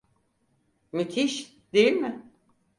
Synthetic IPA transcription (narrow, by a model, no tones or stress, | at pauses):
myt̪ʰiʃ | d̪ejilʲmɪ